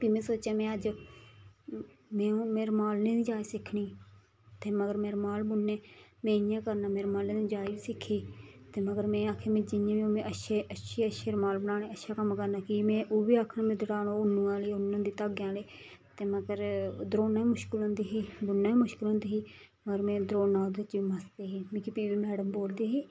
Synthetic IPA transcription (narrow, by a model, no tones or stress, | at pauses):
biːmẽːsoːt͡ʃaːmẽːəd͡ʒ | mẽːũːmeːɾmaːlnẽːd̪id͡ʒaːisɪkʰɳiː | t̪eːməɡəɾmeːɾmaːlbʊnːẽːmẽːjãːkəɾnaːmeːɾmaːlnẽːd̪iːd͡ʒaːebiːsɪkʰːiː | t̪eːməɡəɾmẽːaːkʰeːmẽːd͡ʒɪjãːʋiːoːmẽːʔəʃʰeːəʃʰeːəʃeːɾmaːlbənaːɽẽːəʃʰaːkəmkəɾnaːkimẽːʔoːbiːaːkʰnãːmẽːd̪ɪɽaːɽoːʊnːũːãːləiːʊnːãːd̪iːt̪əɡjãːleː | t̪eːməɡəɾd̪ɾoːnãːimʊʃkɪlɦʊ̃nd̪iːɦiːbʊnːaːiːmʊʃkɪlɦõnd̪iːɦiːməɡəɾmẽːd̪ɾoːnãːd̪ɪt͡ʃiːməst̪eːɦiːmẽːkɪpiːʋiːmɛːɽəmboːld̪iːɦiː